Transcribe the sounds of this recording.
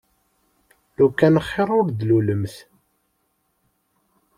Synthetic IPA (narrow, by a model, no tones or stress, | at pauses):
lukːænəχːeɾˤʊɾd̪luləmθ